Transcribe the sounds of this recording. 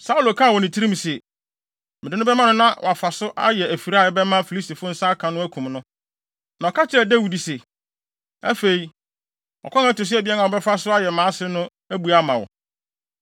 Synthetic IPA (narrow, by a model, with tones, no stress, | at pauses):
sa˦u˦lo˨kʰã˦˨wɔ˨nɪ̃˨tʰi˦ɾi˦m̩̃˨sɛ˨ | mɪ̃˨dɪ˨˦nʊ̃˦bɛ˦mã˦nʊ̃˦nã˦wɔ̰˨a˨fa˨sʊ˦ʔa̰˦jɛ˨æ˨fi˨ɾa˦˨ɛ˦bɛ˦mã˦fi˨li˦sti˨fʊ˦n̩˦sa˦kʰã˨nʊ̃˦æ˦kʰũ˨mnʊ̃˦ | nã˨ɔ˨kʰa˦t͡ɕʰɪ˦ɾɛ˨dæ˦wi˨di˨sɛ˨ | æ̰˦fe˨i˨ | ɔ̰˨kʰɔ̃˦ŋa˦tʊ˨s̬ɪ˦ɛ˦bɪ˦ɛ˦nã˨ɔ˨bɛ˦fa˦sʊ˦a˦jɛ˨mãː˨˦sɪ˦nʊ̃˦ | æ˦bu˨a˦mã˨wɔ̰˨